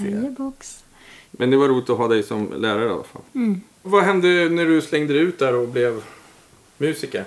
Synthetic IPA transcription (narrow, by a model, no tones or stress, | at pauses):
bɔks | mʔɛnd̪ɛvaɾuːlɪt̪ɔɦɑːd̪ɛjsɔmlæːɾaɾəa̰a̰fa̰l | vaɦɛnd̪ənæɖɵslɛŋd̪əd̪ɛʉ̟ːt̪̚d̪æɾɔblɛv | mʉ̟ːsɪkə̰ɾ